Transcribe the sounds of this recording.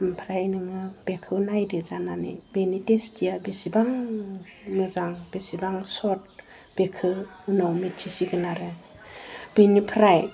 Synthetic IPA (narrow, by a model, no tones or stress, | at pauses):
mpʰɾajnɯŋɯb̥ekʰɯnajdɯzananḛbenidestijabesibaŋ | mɯzaŋb̥esibaŋsɔt̚ | b̥ekʰɯunawmit͡ʃʰisiɡɯnaɾɯ | b̥enipʰɾaj